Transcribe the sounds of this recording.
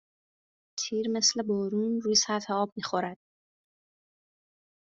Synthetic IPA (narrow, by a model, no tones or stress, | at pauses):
t̪ʰiːɾme̞sle̞bɔːɾuːnruːjesæɾfeɒːb̚miːxo̞ɾæd̪̥̚